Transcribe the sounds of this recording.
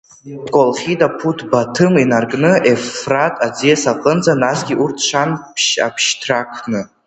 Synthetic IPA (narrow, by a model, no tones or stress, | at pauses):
dkʷʼolχʲitʼapʰutʰbatʰɨminarkʼnɨefratʼad͡zijasaqʼənd͡zanasɡʲiʔurtʰʂanpʰʃa̰pʰʃtʰrakʰnɨ